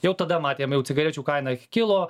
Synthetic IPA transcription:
jɛʊt̪ɐd̪ɐmɑːt̪ʲeːjɛmjɛʊt͡s̪ʲsʲɪɡɐɾʲɛːt͡ʃʲuːkɐɪnɐkʲɪlˠoː

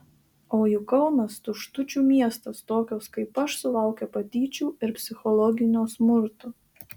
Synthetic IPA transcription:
oːjʊkɐʊnɐst̪ʊʃt̪ʊt͡ʃʲuːmʲiɛst̪ɐst̪oːkʲoːskɐɪpɐʃsʊlˠɐˑʊkʲɛpɐt̪ʲiːt͡ʃʲuːɪɾpʲsʲɪxɔlˠɔɡʲɪnʲoːsmʊɾt̪ʊː

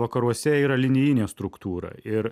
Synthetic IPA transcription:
ʋɐkɐɾuɔsʲɛiːɾɐlʲɪnʲɪjɪnʲeːst̪ɾʊkt̪uːɾɐ̰ɪɾ

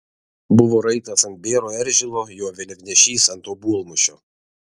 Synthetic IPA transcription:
bʊʋoːɾɐɪt̪ɐsɐnt̪̚bʲeːɾoːɛɾʲʒʲɪlˠoːjoːʋʲɛlʲɪkʲnʲɛʃʲiːsɐnt̪oːbuɔlˠmʊʃʲo̰ː

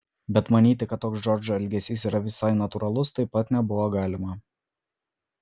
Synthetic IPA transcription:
bʲɛt̪mɐnʲiːt̪ʲɪkɐt̪ːoːksd͡ʒɔɾd͡ʒoɛlʲɡʲɛsʲiːsiːɾɐʋʲɪsɑɪnɐt̪ʊɾɐlˠʊst̪ɐɪpːɐt̪nʲɛbʊʋoːɡɑːlʲɪmɐ

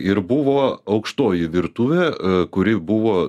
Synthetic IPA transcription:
ɪɾbʊʋoːɐʊkʃt̪oːjɪʋʲɪɾt̪uʋʲeːkʊɾʲɪbʊʋoː

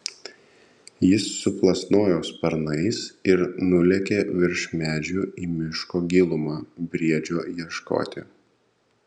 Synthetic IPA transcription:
jɪsːʊplˠɐsnoːjoːspɐɾnɐɪsɪɾnʊlʲɛkʲeːʋʲɪɾʃʲmʲæːd͡ʒʲuːiːmʲɪʃkoːɡʲilˠʊmɑːbʲɾʲiɛd͡ʒʲoːjiɛʃko̰ːt̪ʲɪ̰

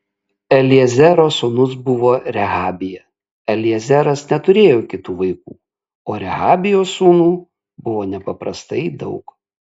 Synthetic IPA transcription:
ɛlʲɪɛzʲɛɾoːsuːnʊs̬bʊʋoːɾʲɛɣɑːbʲɪjɛ | ɛlʲɪɛzʲɛɾɐsnʲɛt̪ʊɾʲeːjoːkʲɪt̪uːʋɐɪkṵː | oːɾʲɛɣɑːbʲɪjoːsuːnuː | bʊʋoːnʲɛpɐpɾɐst̪ɐɪd̪ɒʊk

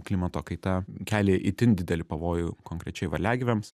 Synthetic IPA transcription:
klʲimɐt̪oːkɐɪt̪ɐkʲæːlʲeːʔit̪ʲɪnd̪ʲɪd̪ʲɛlʲɪpɐʋoːjʊkoːŋkɾʲɛt͡ʃʲɛɪʋɐ̰lʲæːɡʲɪʋʲɛms

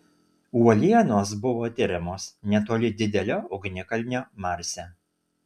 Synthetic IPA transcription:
uɔlʲiɛnoːs̬bʊʋoːt̪ʲɪɾʲɪmoːsnʲɛt̪oːlʲɪd̪ʲɪd̪ʲɛlʲoːɔɡnʲɪkɐlʲnʲoːmɑɾʲsʲɛ

